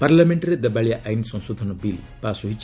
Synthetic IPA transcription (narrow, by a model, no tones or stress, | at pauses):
paɾlameɳʈɾed̪ebaɭijaʔajnisɔ̃ŋsod̪ʱɔnɔbil | pasuɦit͡ʃ